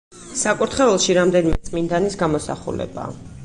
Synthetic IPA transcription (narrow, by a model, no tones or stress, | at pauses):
sakʼuɾt̪ʰχɛɛlˠʃiɾamd̪ɛnimɛt̪sʼmind̪anisɡamɔsa̰χṵlɛ̰ba̰ː